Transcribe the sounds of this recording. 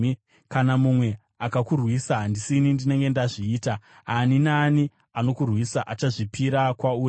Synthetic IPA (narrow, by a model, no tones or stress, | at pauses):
kanamumwe̞ | akakurwisaɦandisinindine̞ŋɡe̞ndaʐiːta | ɦaninaːni | ano̞kurwisaʔat͡ʃaʐipiɾakwauː